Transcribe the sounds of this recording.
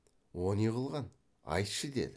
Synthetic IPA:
wonijʁəlˠʁɑn | ɑ̰jt̪ʃəd̪e̞̰d̪ɪ

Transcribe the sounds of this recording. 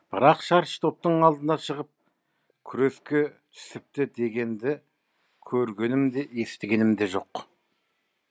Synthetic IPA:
b̥ɪɾɑqʃɑɾʃt̪ʰo̞p̚t̪əɴɑlˠd̪ənɑʃəʁəp̚ | kʲʰʏɾe̞skʲe̞t̪ʰʏ̥sɪp̚t̪ɪd̪e̞ɡʲe̞nd̪ɪ | kʲʰɵɾɡʲe̞nɪmd̪e̞je̞st̪ɪɡʲe̞nɪmd̪e̞ʒo̞q

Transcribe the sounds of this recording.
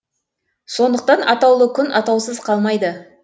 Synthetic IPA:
so̞nd̪əq̚t̪ɑnɑt̪ɑwlˠəkʲʰʏnɑt̪ɑwsəzqʰɑlˠmɑjd̪ə

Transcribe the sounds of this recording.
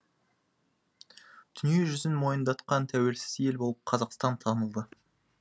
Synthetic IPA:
d̪̥ʏnije̞ʒʏzɪnmo̞jənd̪ɑt̪qɑnt̪ʰæwe̞lsɪ̥ze̞lbo̞lˠəp̚qʰɑzɑqst̪ɑnt̪ʰɑnəlˠd̪ə

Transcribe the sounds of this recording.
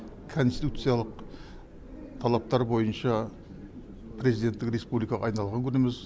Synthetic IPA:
kʰo̞nst̪i̥t̪ut̪sɨjalˠəq̚ | t̪ʰɑlˠɑp̚t̪ɑɾbo̞jənʃɑ | pʰɾe̞zid̪e̞nt̪ːɪkre̞spublijkɑʁɑ̰ːjnɑlˠʁɑŋkʲʰʏnɪmɪz

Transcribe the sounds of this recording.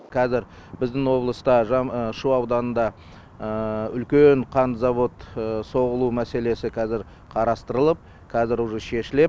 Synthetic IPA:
kʰɑzɪɾ | bɪzd̪ɪŋwo̞blˠəst̪ɑʒɑʃuɑwd̪ɑnənd̪ɑ | əʏlkʲeɴqʰɑnzɑvo̞t̪so̞ʁəlˠumæse̞le̞sɪkʲʰɑzɪɾ | qʰɑɾɑst̪əɾəlˠəp̚ | kʲʰɑzɪɾʊʒəʃe̞ʃɪle̞p̚

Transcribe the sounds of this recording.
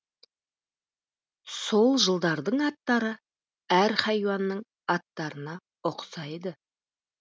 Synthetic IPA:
so̞lˠʒəlˠd̪ɑɾd̪əɴɑt̪ːɑɾə | æɾhɑjwɑnːəɴ | ɑt̪ːɑɾənɑ | ʊqsɑjd̪ə

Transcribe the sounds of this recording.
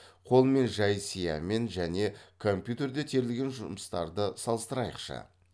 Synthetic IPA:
qʰo̞lˠme̞nʒɑjsijɑ̰me̞nʒæne̞kʰo̞mpʲjut̪e̞ɾd̪e̞t̪ʰe̞ɾɪlɡʲe̞nʒʊ̰məst̪ɑ̰ɾd̪əsɑlˠəst̪əɾɑjəqʃə̰

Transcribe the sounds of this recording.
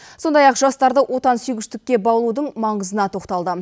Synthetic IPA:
so̞nd̪ɑjɑqʒɑst̪ɑɾd̪əwʔo̞t̪ɑnsyjɡʲɪʃt̪ɪk̚ʲːe̞bɑwlˠud̪əɴmɑɴəzənɑt̪ʰo̞qt̪ɑlˠd̪ə

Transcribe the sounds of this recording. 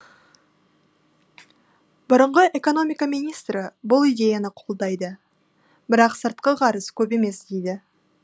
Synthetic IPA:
bʊɾəɴʁəʔe̞ko̞no̞mʲijkamijnʲijst̪ɾəbʊlˠijd̪ʲe̞janəqʰo̞lˠd̪ɑjd̪ə | bɪɾɑqsəɾt̪̚qəʁʰɑɾəskʲʰɵpe̞me̞sd̪ejd̪ɪ

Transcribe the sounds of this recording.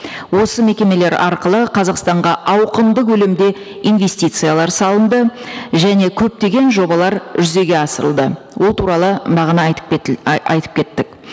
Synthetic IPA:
wo̞səme̞kʲe̞me̞le̞ɾɑɾqəlˠəqʰɑzɑqst̪ɑɴʁɑʔɑwqənd̪əqwɵlɪmd̪e̞ | ijnve̞sʲt̪ijt̪sɨjalˠɑɾsɑlˠənd̪əʒæne̞kʲʰɵp̚t̪e̞ɡʲe̞nʒo̞bɑlˠɑɾʒʏze̞ɡʲe̞ɑsəɾəlˠd̪ə | wo̞lˠt̪ʰuɾɑlˠəbɑʁənəɑ̰jt̪ə̥p̚kʲʰe̞t̪ːɪk̚

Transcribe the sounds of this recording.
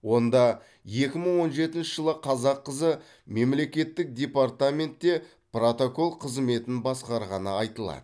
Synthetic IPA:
wo̞nd̪ɑ | je̞kʲɪməɴwo̞nʒe̞t̪ɪnʃɪʒəlˠəqʰɑzɑqːəzə | me̞mle̞kʲe̞t̪ːɪk̚d̪ʲe̞part̪amʲe̞nt̪ːe̞ | pro̞t̪oko̞lˠqʰəzme̞t̪ɪnbɑsqɑɾʁɑnəɑjt̪əlˠɑ̰d̪̥ə

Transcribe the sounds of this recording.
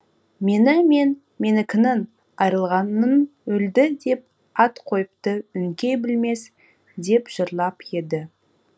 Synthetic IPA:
me̞nɪme̞n | me̞nɪkʲʰɪnɪn | ɑjɾəlˠʁɑnənɵld̪ɪd̪e̞p̚ | ɑt̪qʰo̞jəp̚t̪əʏŋkʲe̞bɪlme̞s | d̪e̞pʒ̥əɾlˠɑpje̞d̪ɪ

